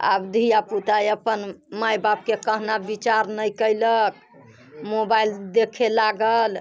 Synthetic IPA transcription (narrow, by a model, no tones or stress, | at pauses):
a̰bd̪ʱijaput̪ajəpənmajbab̚kekəɦnabit͡ʃaɾnəjkəjlək̚ | mobajld̪ekʰelaɡəl